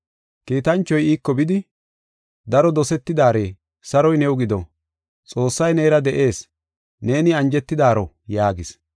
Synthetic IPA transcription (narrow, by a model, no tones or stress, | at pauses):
kiːt̪ɐnt͡ʃːɔjiːkːɔbɪd̪ɪ | d̪ɐɾɔd̪ɔsɛt̪ːɪd̪aːɾe̞ː | sɐɾɔjnɛwʊɡɪd̪ɔ | t͡sʼo̞ːsːɐjneːɾɐd̪ɛʔe̞ːs | ne̞ːnɪɐnd͡ʒɛt̪ːɪd̪aːɾɔ | jaːɡɪs